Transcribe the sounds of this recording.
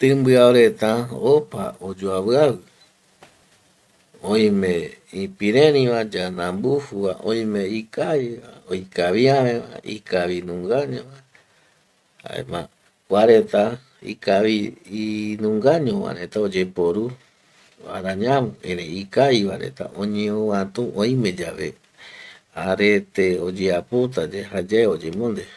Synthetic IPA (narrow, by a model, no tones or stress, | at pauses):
t̪ɨ̃mbɨaoɾe̞t̪aopa̰od͡ʒoaβɨaβɨ | õĩmẽĩpiɾẽɾĩβãd͡ʒanãmbuhuβaʔõĩmẽikaiβaojkaβiamẽβa̰ḭkaβinũŋɡaɲõβa | a̰ḛmã̰ | kʷaɾet̪a | ḭkaβi | nũŋɡaɲõβa̰ɾet̪aod͡ʒepoɾu | a̰ɾaɲãmũẽɾeikajβaɾḛt̪a̰ʔõɲẽõwãt̪ũʔõĩmẽd͡ʒaβe | aɾet̪eod͡ʒeapot̪̬ad͡ʒehad͡ʒaeod͡ʒemõnd̪e